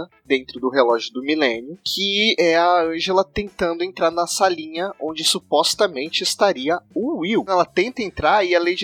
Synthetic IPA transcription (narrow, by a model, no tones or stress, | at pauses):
ɐ | d̪ẽnt̪ɾʊd̪ʊɦelɔʒjʊd̪ʊmilẽnjʊkʰɪɛɐɐ̃ʒelɐt̪ẽnt̪ɐ̃nd̪ʊẽnt̪ɾaɾnɐsalĩɲɐʔõnd͡ʒɪsupɔst̪ɐmẽnt͡ʃɪɪst̪aɾiɐuiwɛlɐt̪ẽnt̪ɐẽnt̪ɾaɾɪalejd͡ʒ